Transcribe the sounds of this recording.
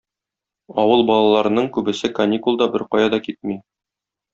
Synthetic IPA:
ɒwɤlˠbɒlˠɑlˠɑɾɤ̆nɤɴkʉbɘ̆sɘkɐnʲikulˠd̪ɒbɘɾqɒjɑd̪ɑkit̪̚mi

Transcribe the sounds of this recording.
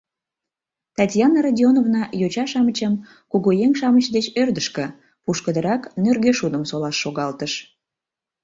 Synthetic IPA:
t̪ɑtʲjɑnːəɾɑdʲionovnɑjot͡ɕɑʃɑmət͡ɕəm | kuɣojeŋʃɑmət͡ɕd̪et͡ɕørd̪əʃkə̆ | puʃkəd̪əɾɑknørɣeʃud̪əmsolɑʃːoɣɑlt̪əʃ

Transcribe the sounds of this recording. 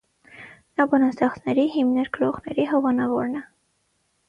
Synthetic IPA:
nɑbɔnɑst̪ɑχt͡snɛɾiɦimnɛɾɡəɾɔʁnɛɾiɦɔvɑnɑvɔɾnɛ

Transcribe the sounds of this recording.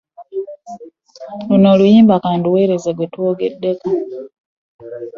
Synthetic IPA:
luno̞ːlujiːmbakaːndiwe̞ːɾe̞zeɡwetuoɡedːe̞ka

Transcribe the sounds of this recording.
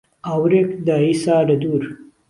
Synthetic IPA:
awɾekd̪aisaːɖɐd̪uɾ

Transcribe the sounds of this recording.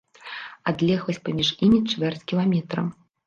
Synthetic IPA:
ad̪lʲɛɣvɐsʲpamʲiʂimʲit͡ʂvʲɛrt͡sʲkʲilˠamʲɛt̪ɾɐ̰m

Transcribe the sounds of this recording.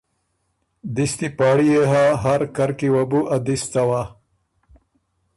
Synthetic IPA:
d̪ist̪ipaːɽijeɦaɦaɾkɐɾkiwɐbuʔɐd̪ist̪awa

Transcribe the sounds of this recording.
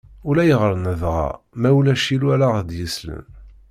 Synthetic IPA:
ʊlæjəʁəɾnəðʁɑ̰mæwulæʃiluæɾaʁd̪jəslə̰n

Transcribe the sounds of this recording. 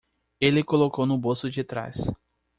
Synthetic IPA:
elɪkolokownʊbosʊd͡ʒɪt̪ɾa̰s

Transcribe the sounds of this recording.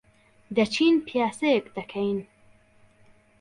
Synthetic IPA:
d̪ɐt͡ʃʰinpʰjaːsekd̪ɐkʰɐjn

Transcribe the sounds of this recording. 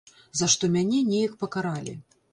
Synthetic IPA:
zaʂt̪ɔmʲanʲɛnʲɛjɐkpɐkaɾalʲḭ

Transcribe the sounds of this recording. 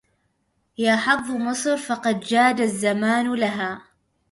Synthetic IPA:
jaːħɑfðˤmɨsˤɾfɑqɑd̪d͡ʒaːd̪azːamaːnlaɦaː

